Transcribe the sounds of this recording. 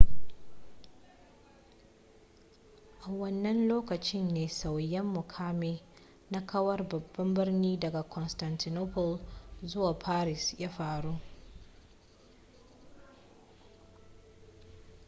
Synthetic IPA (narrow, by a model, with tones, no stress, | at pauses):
ʔa˨wɐ˦nːɐ˦nloː˦kɐ˨t͡ʃɪ˦nːeː˨sa˨wjɛ˦mːʊ˨kʰaː˦meː˦ | na˦kʰɐ˦wɐ˦rbɐ˨bːɐ˦mbɪ˦rniː˦dɐ˨ɡa˨kʰɔ˨nsta˨ntɪ˨noː˦pɔ˨lzʊ˦waː˨pʰaː˦ɾɪ˨sjaː˦ɸaː˨ɽuː˦ʔ